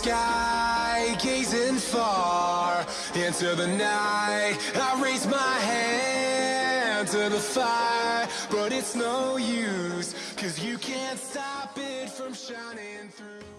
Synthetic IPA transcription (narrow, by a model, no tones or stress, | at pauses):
skaɪɡeɪzɪ̃nfɑɹ | ɛ̃ntə˞ðɨnaɪɪɾ̚ | ɨ̃aɪɹeɪzmaɪɦæ | nntʰɨðəfaɪəə˞b̥ʌɾɪtsnoʊjʉz̥kʰʌzjɨkʰæ̃ntstɑpɪtfɹʌ̃mʃãɪ̃nɪ̃ŋθɹʉ